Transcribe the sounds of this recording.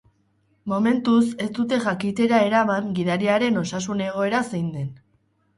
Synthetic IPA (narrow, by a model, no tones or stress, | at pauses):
mo̞me̞nt̪use̞st̪ut̪e̞ʝakit̪e̞ɾae̞ɾamaŋɡiðaɾiaɾe̞no̞sasune̞ɣ̞o̞e̞ɾasejnd̪e̞n